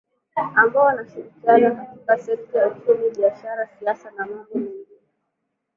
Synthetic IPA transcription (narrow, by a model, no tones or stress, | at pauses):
ambaɔanaʃiɾikianɔkatikasɛk̚tajaut͡ʃumiɓiaʃaɾasiasanamabɔmiŋi